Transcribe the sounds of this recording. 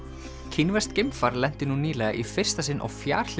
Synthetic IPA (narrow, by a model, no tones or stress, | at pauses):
cʰinvɛst̪cɪmfaɾlɛn̥t̪ɪnuniːlɛɣa̰ʔifɪr̥st̪asɪnʔa̰wfja̰ːɾ̥l̥